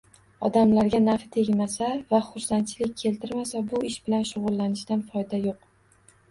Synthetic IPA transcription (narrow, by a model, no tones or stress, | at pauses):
ɒd̪amlaɾɡʲanaɾfɪt̪ʰe̞ɡʲmasavaχʊɾsant͡ʃʰɪlɪk̚ʲkʲʰːe̞lt̪ʰɪɾmasabʊɪʃbɪlanʃʊʁʊlːanɪʃt̪anfɒjd̪ajoq